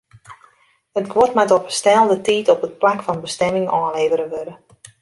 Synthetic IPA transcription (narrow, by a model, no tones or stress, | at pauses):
hətɡwɔtmatɔtəstɛlˠdətiːtɔpət̚plakfɑnbəstɛmɪŋɔːnleːvəɾəʋøɾə